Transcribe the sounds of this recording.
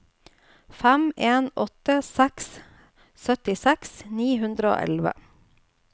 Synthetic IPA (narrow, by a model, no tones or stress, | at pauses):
fæmʔeːnɔt̪əsæks | sœt̪ɪsɛksniːɦʉnd̪ɾəo̰ːʔɛ̰lʋə̰